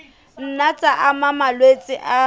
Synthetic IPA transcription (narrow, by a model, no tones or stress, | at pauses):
n̩nat͡sʼaʔamamalwet͡sʼɪʔa